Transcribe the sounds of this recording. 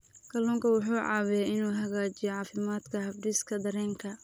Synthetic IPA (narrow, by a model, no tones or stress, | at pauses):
kʰɐlɔːŋkʰɐwʊħuːʕɑ̰ːwɛjɛɪnuːɦɐɣaːt͡ʃɪjɔʕɑːfɪmaːd̪kʰɐhɐfɖɪskʰɐd̪ɐɾɛːŋkʰɐ